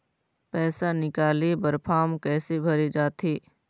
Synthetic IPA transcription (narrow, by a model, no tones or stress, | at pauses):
pɛːsanɪkaːlebəɾpʰaːmkɛːsebʱɐɾid͡ʒaːt̪eː